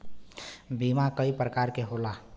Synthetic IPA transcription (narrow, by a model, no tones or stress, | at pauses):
bimakəipɾəkaɾkeɦola